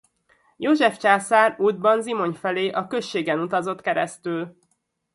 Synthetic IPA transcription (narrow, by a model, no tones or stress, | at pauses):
joːʒɛft͡ʃaːsaːruːd̪̚bɒnzimo̞ɲfɛleːʔɒkø̞ʃːeːɡɛnut̪ɒzo̞t̪kɛɾɛ̰st̪yl